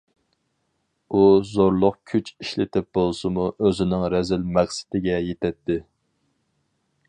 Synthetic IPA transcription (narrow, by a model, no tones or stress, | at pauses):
uzoɾlˠʊqkʲʰyt͡ʃiʃlɪt̪ʰɪp̚bolˠsɨmuøzɪnɪŋɾɛzɪlmæχsɪ̥t̪ɪɡʲɛjet̪ʰɛt̪ːɪ